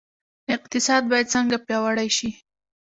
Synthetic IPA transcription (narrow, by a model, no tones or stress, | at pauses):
ɪq̚t̪ɪsɑd̪̚bɑjad̪̚t͡səŋɡapjɑwaɽajʃi